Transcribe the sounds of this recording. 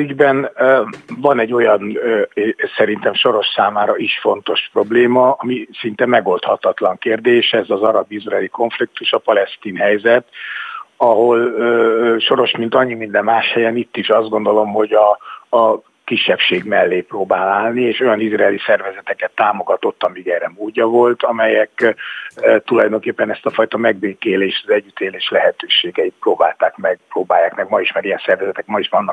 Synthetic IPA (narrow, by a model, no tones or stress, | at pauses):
yɟbɛn | vɒnɛɟːo̞jɒn | sɛɾint̪ɛmʃo̞ɾo̞ʃsaːmaːɾɒiʃfo̞nt̪o̞ʃpro̞bleːmɒɒmisint̪ɛmɛɡo̞lt̪hɒt̪ɒt̪lɒŋkeːrd̪eːʃɛzɒzɒɾɒbizrɛɛːliko̞ɱflik̚t̪uʃɒpɒlɛst̪iːnɦɛjzɛt̪ | ɒɦo̞lː | ʃo̞ɾo̞ʃmint̪ɒɲːimind̪ɛmːaːʃhɛjɛnit̪ːiʃɒzd̪ɡo̞nd̪o̞lo̞mho̞ɟɒ | kiʃːɛpʃeːɡmɛlːeːproːbaːlaːlnieːʃo̞jɒnizrɛːlisɛrvɛzɛt̪ɛkɛt̪ːaːmo̞ɡɒt̪o̞t̪ːɒmiɡɛɾɛmoːɟːɒvo̞lt̪ɒmɛjɛk | t̪ulɒjd̪o̞ŋkeːpːɛnɛst̪ɒfɒjt̪ɒmɛɡbeːkeːleːʃt̪ɒzɛɟːyt̪eːleːʃlɛɦɛt̪øːʃeːɡɛit̪̚proːba̰ːlt̪aːkmɛɡproːbaːjːaːkmɛɡmɒiʃmɛɾijɛnsɛrvɛzɛt̪ɛkmɒiʃvɒnːɒk